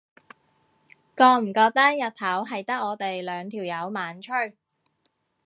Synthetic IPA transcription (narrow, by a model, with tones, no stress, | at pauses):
kɔː˧m̩˨˩kɔː˧k̚t̪ɐ˥k̚jɐ˨t̪̚t̪ʰɐ˨˥wɦɐ˨jt̪ɐ˥k̚ːɔː˨˧t̪e˨jlœː˨˧ŋt̪ʰiː˨˩wjɐ˨˧wmaː˨˥nt͡ʃʰɵ˥ɥ